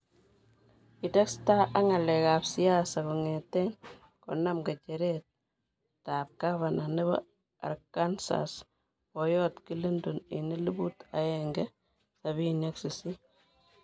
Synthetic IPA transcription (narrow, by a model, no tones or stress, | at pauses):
itɛkstaʔaŋalɛkapsiasakuŋɛtɛn | kɔnamɡat͡ʃɛɾɛt̚ | tap̚kaβananiβɔ̰ | a̰ɾkansa̰s | wɔjɔtkilindunḭnilibutaɛŋɡɛ | saβineksisi